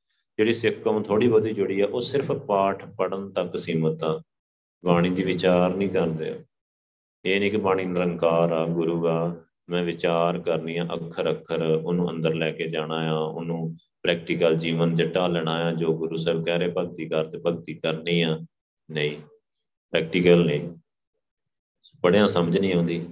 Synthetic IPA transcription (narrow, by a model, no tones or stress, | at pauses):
d͡ʒeːɽiːsɪkʰkəm̃ːt̪ʰoːɽiːbəd̪iːd͡ʒʊɽiːɛːʔoːsɪɾpʰpaːʈʰpəɽənt̪əksiːmət̪ãː | baːɽ̃ĩːd̪iːʋɪt͡ʃaːɾnĩːkəɾd̪ḛː | eːnĩːkɪbaːɽ̃iːnəɾəŋkaːɾaːɡʊɾuːaː | mɛ̃ːʋɪt͡ʃaːɾkəɾnĩːãːʔəkʰːəɾəkʰːəɾʊnũːə̰̃nd̪əɾlɛːkeːd͡ʒaːɽ̃aːjaːʊ̰nũː | pɾɛːk̚ʈiːkəld͡ʒiːʋənd͡ʒəʈːaːlɛɽ̃aːjãːd͡ʒoːɡʊɾuːsəɾb̚ɡɛːɾeːpəɡ̚t̪iːkəɾt̪eːpəɡt̪iːkəɾniːãː | nəĩː | pɾɛːk̚ʈiːkəlnəĩː | bəɽejãːsəməd͡ʒnĩːɦõːnd̪iː